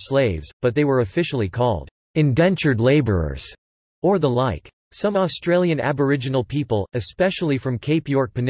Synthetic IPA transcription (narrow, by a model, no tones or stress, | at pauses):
sleɪvzb̥ʌt̪̚ðeɪwə˞ɨfɪʃl̩ˠikʰɔ̰lˠd | ɨ̃nvɛ̃nt͡ʃə˞dˡleɪbə˞ə̰˞z̥ | ə˞ðəlaɪk | sʌ̃mɔstɹ̥eɪlˠjɨ̃næ̰bə˞ɪd͡ʒɨn̩l̩ˠpʰipəl̩ˠɨspɛʃl̩ˠifɹʌ̃mkʰeɪpjɔɹk̚pʰɨn